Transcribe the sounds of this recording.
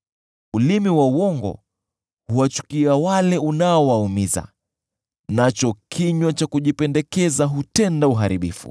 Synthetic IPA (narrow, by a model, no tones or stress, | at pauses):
ulimiwauwɔŋɡɔ̰ | huwat͡ʃu̥kiawalɛunaɔwaumiza̰ | nat͡ʃɔkʰiɲwat͡ʃakuʄipɛndɛkɛzaɦutɛndauɦaɾiɓḭfṵ